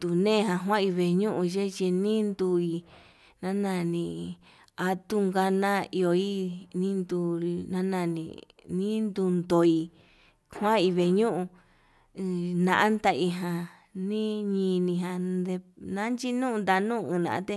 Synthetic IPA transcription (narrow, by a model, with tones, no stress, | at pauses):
t̪u˨nẽː˦˨ɦã˧ɦwã˦i˧βe˧ɲũ˦ʔũ˧ʒe˦t͡ʃi˧nĩ˦nd̪u˧i˧ | nã˦nã˧˨nĩ˧ | a˧t̪u˦ŋɡa˧nã˦i˧o˧i˦nĩ˦nd̪u˧nã˦nã˧˨nḭ̃˧ | nĩ˦nd̪u˧nd̪o˨i˧ | hwã˦i˧βe˧˨ɲũ˦ʔũ˧ | nã̰˧ʔa˦nd̪a˧i˧ɦã˧ | nĩ˦ɲĩ˧nĩ˧ɦã˧d̪e˧nã˦nt͡ʃi˦nũ˦˧d̪a˧nũ˦˧ɨ̃ː˧˨nã̰˨ʔã̰˦t̪e˧